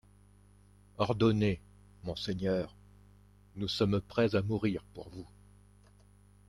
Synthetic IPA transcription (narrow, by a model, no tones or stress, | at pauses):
ɔʁd̪ɔne | mɔ̃seɲœːʁ | nusɔmpχɛzamuʁiʁpuʁvu